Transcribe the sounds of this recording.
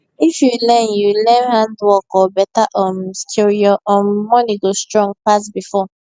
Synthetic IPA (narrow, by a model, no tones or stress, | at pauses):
ifjulɛ̃njulɛ̃nhãndwɔkɔbɛtaʔɔmstʰuɹiɔʔɔmɔniɡostɹɔ̃ŋpasbifɔ